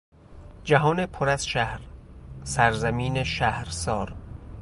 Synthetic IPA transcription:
d͡ʒæɦɒːnepʰoɾæz̥ʃæhɾsæɾzæmiːneʃæhɾsɒːɾ

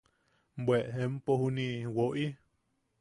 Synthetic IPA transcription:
mbweʔɦempohuniwoʔi

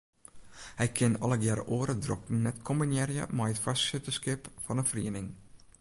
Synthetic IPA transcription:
hɛjkʰɪnɔ̰ləɡɛɾə̰ʔoːəɾədrɔkn̩nɛtkʰɔmbənjɛɾjə̰mɛjətfassɪtəskɪpfɑnəfriənɪŋ

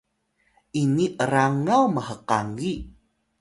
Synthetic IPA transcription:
ʔiniʔəɾaŋawməhəqaŋi

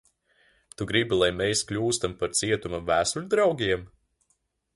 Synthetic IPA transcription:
t̪uɡɾibilˠajmʲɛjsklʲuːst̪ampaɾt̪siɛt̪umamvæːsulʲd̪ɾawɡʲiɛm

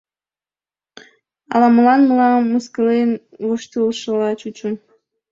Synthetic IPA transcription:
ɑ̰lɑməlɑnməlɑːuskəlen | loʃt̪ulʃəlɑt͡ɕut͡ɕun

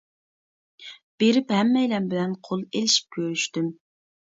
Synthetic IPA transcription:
b̥eɾɪphɛmːɛjlɛmbɪlɛnqʰolˠelɪʃi̥p̚kʲʰøɾyʃt̪ym

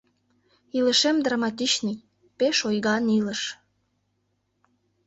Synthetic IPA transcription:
iləʃemd̪rɑmɑt̪̬it͡ɕnəj | peʃojɣɑnilə̆ʃ

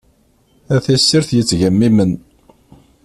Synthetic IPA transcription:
æθæsːiɾθjət͡sːʝæmːimən

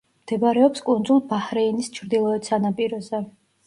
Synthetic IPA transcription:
md̪̥ɛbaɾɛɔpskʼund̪zulˠbahɾɛinist͡ʃʰɾd̪ilˠɔɛt̪sanapʼiɾɔzɛ

